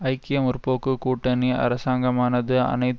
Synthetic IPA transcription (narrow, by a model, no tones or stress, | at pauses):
ɐɪkːɪjɐmʊɾpoːkːɯkuːʈːɐniɐ̰ɾɐsaːŋɡɐmaːnɐðɯɐ̰nɐɪt̪